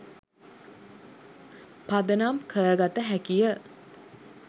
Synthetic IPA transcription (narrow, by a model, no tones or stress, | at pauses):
pad̪ənamkʰəɾəɡat̪əɦækijə